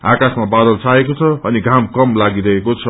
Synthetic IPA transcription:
a̰kasmabad̪ʌlt͡saekot͡sʰʌʌniɡʱamkʌmlaɡiɾʌɦekot͡sʰʌ

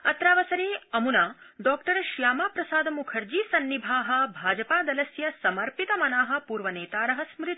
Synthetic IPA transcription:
ɐt̪ɾaːʋɐsɐɾeːɐmunaːɖɔːkʈɐɾɐʃjaːmaːpɾɐsaːd̪ɐmukʰɐɾd͡ʒiːsɐnːibʱaːɦɐ̆bʱaːd͡ʒɐpaːd̪ɐlɐsjɐsɐmɐɾpit̪ɐmɐnaːɦɐ̆puːɾʋɐneːt̪aːɾɐɦɐsmɾɪt̪

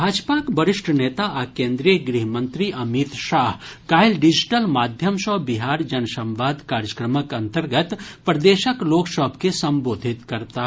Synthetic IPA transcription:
bʱaːd͡ʒpakbɐɾɪʃʈʰəneːt̪aʔakẽːnd̪ɾijəɡɾiɦmə̃nt̪ɾiʔɐmit̪ʃaːɦkaːjlɖɪd͡ʒʈəlmaːd̪ʱjəmʃɔbiɦaːɾd͡ʒɐnsɐ̃mʋaːd̪kaːɾjəkɾəməkɐ̃nt̪əɾɡət̪pɾɐd̪eːʃəkloːkʃɔːpkesɐ̃mboːd̪ʱit̪kɐɾt̪a

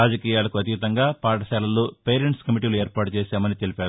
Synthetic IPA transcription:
aːd͡ʒɐkiːjaːlɐkuɐt̪it̪ɐŋɡaːpaːʈɐʃaːlɐloːpeːɾeɳʈskɐmiʈ̬iːlueːɾpaːʈut͡ʃeːsaːmɐnit̪elipaːɾu

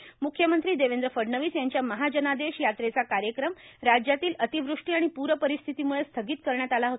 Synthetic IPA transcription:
mukʰjəmənt̪ɾiːd̪eʋend̪ɾəfəɽɳəʋiːsjaɲt͡ɕjaməɦad͡ʑənad̪eɕjat̪ɾet͡sakaɾjəkɾəmɾad͡ʑjat̪iːlət̪iʋɾuʂʈiːaɽ̃ipuɾəpəɾist̪ʰit̪imuɭest̪ʰəɡiːt̪kəɾɳjat̪alaɦot̪

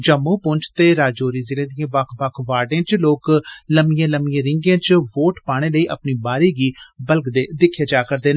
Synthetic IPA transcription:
d͡ʒəmːũːpʊɲt͡ʃʰt̪eːɾaːd͡ʒoːɾiːzɪlẽːd̪ɪjãːbəkʰbəkʰʋaːɖẽːt͡ʃloːkləmijãːləmɪjãːɾɪŋɡãːt͡ʃʋoːʈpaːɽ̃eːləiːʔə̰pniːbaːɾiːɡiːbəlɡd̪eːd̪ɪkʰːjeːd͡ʒaːkəɾd̪eːn

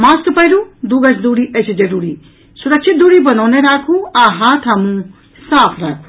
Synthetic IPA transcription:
maːst̪pɐjɾud̪uːɡɐt͡ʃʰd̪uːɽiʔɐt͡ʃʰd͡ʒɐɾuːɾiː | sʊɾɐkʃʰɪt̪̚d̪uːɽibɐnɔːneɾaːkʰuaːɦat̪ʰaːmũ | saːpʰɾa̰ːkʰu̥

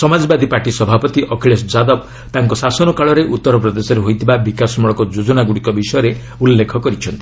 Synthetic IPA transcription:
sɔmad͡ʒɔbad̪ʱipaɾʈisɔbʱapɔt̪iʔɔkʰeɭes̬d͡ʒad̪ɔb | t̪aŋkɔsasɔnɔkaɭɔɾeʔut̪ːɔɾɔpɾɔd̪esɔɾeɦojt̪ʰibabikasɔmɔɭɔkɔd͡ʒod͡ʒɔnaɡuɽikɔbisɔjɔɾe | ulːekʰɔkɔɾit͡ʃʰɔnt̪i̥

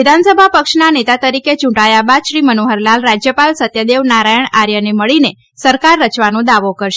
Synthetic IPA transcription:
id̪ʱansəbʱapəkʃnanet̪at̪əɾiket͡ʃũɳʈajabad̪ʃɾimənoɦəɾlalɾad͡ʒjəpalsət̪jəd̪eʋnaɾajəɳ̃aɾjəneməɭine | səɾkaɾːət͡ʃʋanõd̪aʋokəɾʃ

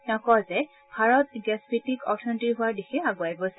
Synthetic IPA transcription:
nɔkɔzɛ | bʱaɹɔt̚ɡɛsbitikɔɹtʰɔntiɹɦʊaɹdixʰɛaɡʊajbos

